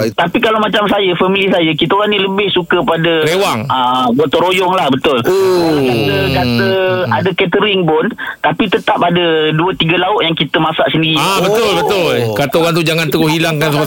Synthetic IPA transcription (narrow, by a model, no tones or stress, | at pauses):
t̪apikalawmat͡ʃamsajəfamilisajəkit̪aoɾanĩləbɪhsukəpadəewaŋabot̪ɔɾojɔŋlahbət̪ʊlkət̪əkat̪əadəkɛt̪əɾɪŋpʊnt̪apit̪ət̪ap̚adəduət̪iɡəlaʊʔjaŋkit̪əmasaʔsəndiɾiabət̪ʊlbət̪ʊlkat̪aoɾant̪̬ud͡ʒaŋant̪əɡʊhilaŋkansapa